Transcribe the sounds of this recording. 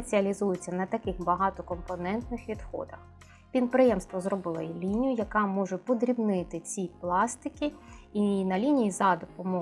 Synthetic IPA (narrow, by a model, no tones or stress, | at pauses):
et͡sʲiɐlʲizujʊt͡sʲːɐnɐt̪ɐkɪxbɐɦɑt̪ɔkɔmpɔnɛnt̪nɪxʋʲid̪xɔ̰d̪ɐx | pʲid̪̚pɾɪjɛmst̪ʋɔzrɔbɪlˠɔjilʲinʲijʊjɐkɑmɔʒɛpɔd̪ɾʲibnɪt̪ɪt͡sʲiplˠɑst̪ɪkʲiinɐlʲinʲijizɐd̪ɔpɔmɔ